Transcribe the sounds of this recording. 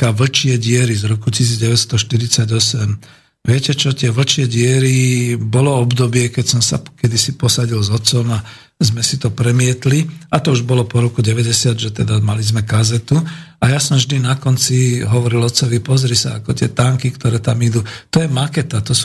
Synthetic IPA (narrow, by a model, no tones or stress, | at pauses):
kaʋl̩t͡ʃɪɛɟɪɛɾizɾɔkucis̬iːd͡zɟɛʋɛt̪st̪ɔʃt̪iɾit͡saɟɔsɛm | ʋɪɛcɛt͡ʃɔt̪ɪɛʋl̩t͡ʃɪɛɟɪɛɾibɔlɔɔbd̪ɔbɪɛkɛcsɔmsa̰kɛd̪isipɔsaɟilzɔt͡sɔma | zmɛsit̪ɔpɾɛmɪɛt̪liat̪ɔuʒbɔlɔpɔɾɔkuɟɛʋɛɟɛsɪad̪ʒɛt̪ɛd̪amalizmɛkazɛt̪uajasɔmvʒd̪inakɔnt͡siɦɔʋɔɾilɔt͡sɔʋipɔzɾisa̰akɔt̪ɪɛt̪aŋkikt̪ɔɾɛːt̪amid̪ut̪ɔjɛmakɛt̪at̪ɔs